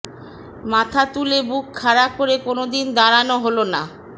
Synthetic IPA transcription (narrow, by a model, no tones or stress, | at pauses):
mat̪ʰat̪ulebukkʰːaɾakoɾekonod̪ind̪aɾanoɦolona